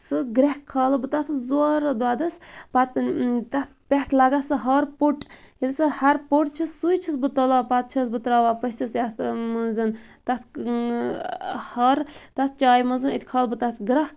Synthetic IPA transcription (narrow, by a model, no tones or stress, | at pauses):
sɨɡɾɛhkʰːalɨbɨt̪at̪ʰɨzoɾd̪waːd̪ɐspat̪t̪ɐt̪ʰpʲɛʈʰlaɡasɨɦɐɾpuʈ | hilsɨhɐɾpoʈt͡ʃʰissujt͡ʃʰisbɨt̪ɔlaːpat̪̚t͡ʃʰɐsbɨt̪ɾaːʋaːpɐsisjat̪ʰmɐnzɨn | t̪ɐt̪ʰ | hɐɾt̪ɐt̪̚ʰt͡ʃaːjmɐzɨnit̪ʲkʰaːlbɨt̪at̪ʰɡɾɐh